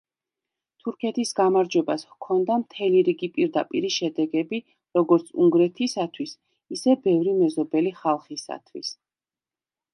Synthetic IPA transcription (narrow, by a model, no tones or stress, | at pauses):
t̪ʰuɾkʰɛt̪ʰisɡamaɾd͡ʒwɛbaskʰɔnd̪amt̪ʰɛliɾiɡipʼiɾd̪apʼiɾiʃɛd̪ɛɡɛbi | ɾɔɡɔɾt̪sʰuŋɡɾɛt̪ʰisat̪ʰwis | isɛbɛvɾimɛzɔbɛliχalˠχisa̰t̪ʰwis